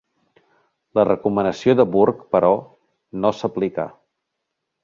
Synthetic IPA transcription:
lərəkumənəsioðəβuɾkpəɾɔ | nosəplika̰

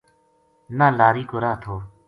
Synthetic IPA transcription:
naːlaːɾiːkoɾaːt̪ʰoː

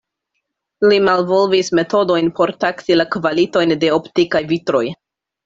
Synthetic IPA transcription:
limalvo̞lvisme̞to̞do̞jnpo̞ɾtaksilakvalito̞jnde̞optikajvitɾo̞j

